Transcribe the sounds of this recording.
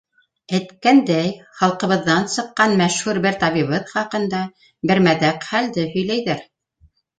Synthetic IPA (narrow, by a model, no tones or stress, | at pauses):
ɘ̆t̪kænd̪æjχɑlˠqɤ̆βɤ̆ðːɑnsɤ̆qːɑnmæʃhuɾbɘɾt̪ɑβiβɤðχɑqɤ̆nd̪ɑ | bɘ̆ɾmæðæqχæld̪ɘhɵ̆jlæjðɘɾ